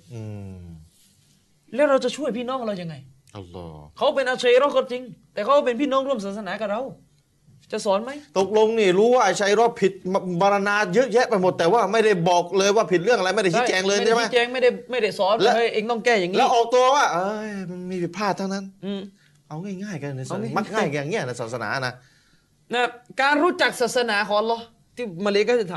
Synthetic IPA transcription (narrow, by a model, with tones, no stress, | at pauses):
ʔɯː˨˧˩ | lɛː˦˥wɾa˧wt͡ɕa˨˩t͡ɕʰu˥˩jpʰiː˥˩nɔː˦˥ŋkɾa˧wja˧ŋːa˧j | ʔɐ̰˧lɔ̰ː˧˩kʰa˦˥wpe˧nʔa˧t͡ɕʰeː˧ɾɔː˦˥˩kɔ˧t͡ɕi˧ŋt̪ɛː˨˩kʰa˦˥wɔ˥˩p̬e˧npʰiː˥˩nɔː˦˥˩ŋɾu˥˩əmsaː˨˩t̪̚sa˧naː˩˦ka˨˩ɾa˧w | t͡ɕa˨˩ʔsɔː˩˦nma˦˥jt̪o˨˩k̚lo˧ŋniː˥˩ɾuː˦˥waː˥˩t͡ɕʰa˧jɾɔː˧˩pʰi˨˩t̪̚bɔː˧ɾa˧naː˧jɯ˦˥ʔ̚jɛ˦˥ʔpjmo˨˩t̪ːɛː˨˩waː˥˩ma˥˩jda˥˩jbɔː˨˩k̚lɤː˧jwaː˥˩pʰi˨t̪̚ɾɯ˥˩əŋʔa˧jma˥˩jda˥˩t͡ɕi˥˩˦t͡ɕɛː˧ŋlɤː˧jʰa˥˩ma˦˥t͡ɕɛː˧ŋma˥˩jda˥˩ma˥˩jda˥˩jsɔː˨˦nlːʔeː˧ŋt̪ɔ˥˩ŋkɛː˥˩jaː˨˩ŋilɛː˦˥wʔɔː˨˩k̚t̪u˧ɐwaː˥˩ʔɤː˧jma˧nmiː˧pʰi˨˩t̪̚pʰaː˥˩t̪ʰːa˥˩wna˦˥nɯː˧˩ | ʔa˧wŋaː˥˩jŋaː˥˩jka˧n˨na˧sma˥˩k̚ŋaː˥˩jka˧jaː˨˩ŋni˦˥ɐna˧˩saː˨˩t̪̚sa˧na̰ː˩˦˨na˦˥ | na˧˩kaː˧nɾuː˦˥t͡ɕa˨˩k̚saː˨˩sa˧naː˩˦˥kʰɔː˨˩˦ʔa˧lɔː˦˥ | t̪ʰiː˥˩maː˧li˧˥kɔ˥˩i˧˩t̪ʰa˨˦